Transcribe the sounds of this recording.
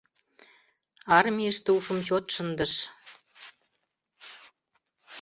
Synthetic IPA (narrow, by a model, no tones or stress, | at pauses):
ɑrmʲiəʃt̪ĕuʃə̆mɕot̪ʃə̆nd̪ə̆ʃ